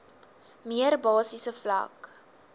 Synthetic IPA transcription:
miərbɑːsisəflɐ̰k

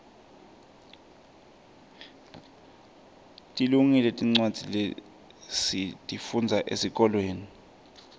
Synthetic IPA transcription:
tʼiluŋiletʼiŋ͡ǀwad̥d͡z̥ʱile | sitʼifund͡zʱaʔesik̬ʼɔlweːni

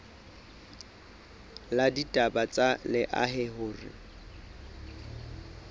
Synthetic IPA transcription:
laditʼabat͡sʼalɪʔa̰ɦɪɦʊːrɪ̰

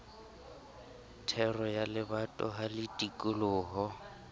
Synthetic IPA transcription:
tʰɛrɔjalɪbatʼɔ̰ɦalɪtʼikʼʊlʊːɦɔ

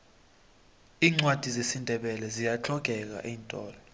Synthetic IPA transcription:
iːŋ͡ǀwad̥ʱizesindʱɛɓɛlɛzijat͡ɬʰɔɡ̥ʱɛk̬a̰ʔiːntʼɔ̰ːlɔ

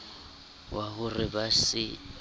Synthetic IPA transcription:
wʔahʊrɪbasɪ

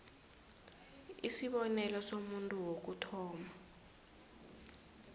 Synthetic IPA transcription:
isiɓɔnɛlɔsomuntʼuwok̬utʰɔːma

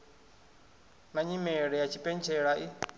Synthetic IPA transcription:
naɲimɛɺɛjat͡ʃʰipʼɛnt͡ʃʰɛɺaʔi

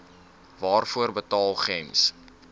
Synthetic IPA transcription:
vɑːrfuərbətɑːlˠχɛms

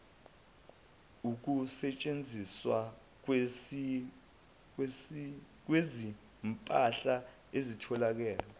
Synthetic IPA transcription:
uk̬usɛt͡ʃʼend͡zʱiswa | k̬wezi | mpʼaɬa | ezitʰɔlak̬ɛːlɔ

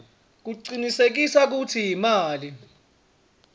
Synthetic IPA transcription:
k̬uǀinisek̬isak̬utʰijimaːli

